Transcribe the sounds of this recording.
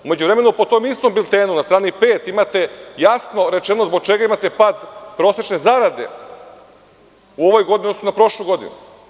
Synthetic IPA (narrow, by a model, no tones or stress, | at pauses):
ume̞d͡ʑuʋɾeme̞nupo̞t̪o̞mist̪o̞mbilt̪eːnunast̪ɾaːnipe̞ːt̪imat̪e̞jasno̞ɾe̞t͡ʃe̞nozbo̞ɡ̚t͡ʃe̞ɡaimat̪epad̪pɾo̞ːset͡ʃne̞zaɾad̪e̞ | uo̞ʋo̞jɡo̞d̪iniod̪osonapɾo̞ʃlˠujɡo̞d̪ḭnṵ